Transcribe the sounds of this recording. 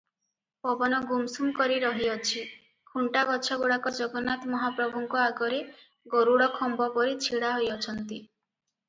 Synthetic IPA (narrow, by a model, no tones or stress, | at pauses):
pɔbɔnɔɡumsumkɔɾiɾɔɦiɔt͡ʃʰi | kʰuɳʈaɡɔt͡ʃʰɔɡuɽakɔd͡ʒɔɡɔnat̪mɔɦapɾɔbʱuŋkɔaɡɔɾe | ɡɔɾuɽɔkʰɔmbɔpɔɾit͡ʃʰiɽaɦojɔt͡ʃʰɔnt̪i